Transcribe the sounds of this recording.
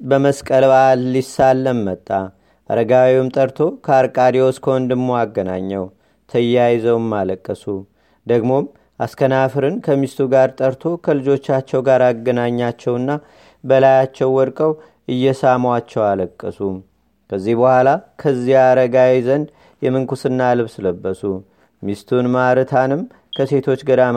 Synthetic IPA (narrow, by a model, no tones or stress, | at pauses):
bəməskʼəlbalːisːalːəmːət̪ʼːa | ʔa̰ɾəɡawiwumt̪ʼəɾt̪ʰo̞kʰəaɾkʼad̪ewoskʰond̪ɨɡmoaɡːəna̰ɲːɛw | t̪ʰəjːajzəwmːaləkʼːəsu | d̪əɡmo̞m | ʔaskʰənafɨɾɨnkʰəmist̪ʰuɡaɾt̪ʼəɾt̪ʰo̞kʰəlɨd͡ʒo̞t͡ʃːat͡ʃːɛwɡaɾaɡːənaɲːat͡ʃːɛwɨnːa | bəlajat͡ʃːɛwːɔɾkʼəw | ʔɨjːɛsamwat͡ʃːɛwaləkʼːəsu | kəzːihbəhʷalakʰəzːihaɾəɡawɛzənd̪ | jɛmɨŋkʰusɨnːalɨβsɨləbːəsu | mist̪ʰunmaɾɨt̪ʰanɨm | kʰəse̞t̪ʰo̞t͡ʃːɡəd̪a